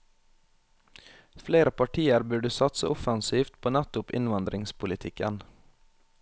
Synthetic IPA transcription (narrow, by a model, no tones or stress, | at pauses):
fleːɾəpʰɑʈʰiːəɾbʉɖʉːsɑt̪sə̰ʔɔfɑnsiːft̪pʰoːnæt̪ʊpɪ̰nʋɑnd̪ɾɪŋspʰʊlɪt̪ʰɪkən